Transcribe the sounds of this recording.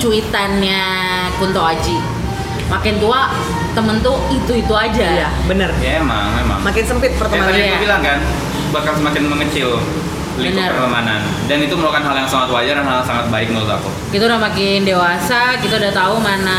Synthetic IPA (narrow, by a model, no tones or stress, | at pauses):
t͡ʃuit̪anɲa | kunt̪aad͡ʒi | makɪnt̪ua | t̪əmənt̪uit̪uit̪uad͡ʒaja | bənəraemaŋema̰ŋmakɪnsəmpɪt̪̚pərt̪əmanaiakubilaŋkan | bahkansəmakɪnməŋət͡ʃɪl | libənpərpərt̪əmanan | danit̪umulakanɦaljaŋsəmaŋat̪wad͡ʒaranɦalsaŋat̪̚baɪk̚ŋəɾut̪a̰kṵ | kit̪audamakɪndewasakit̪audat̪aumana